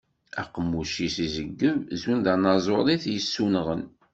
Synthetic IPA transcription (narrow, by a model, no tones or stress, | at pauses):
æqəmːuʃisizəɡːəvzunðɑnɑzˤolˤiθjəsːunʁən